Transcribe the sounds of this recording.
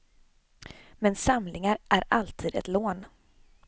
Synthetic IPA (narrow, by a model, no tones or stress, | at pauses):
mɛnsamlɪŋaɾʔæɾalt̪ʰiːd̪ɛ̰t̪loːn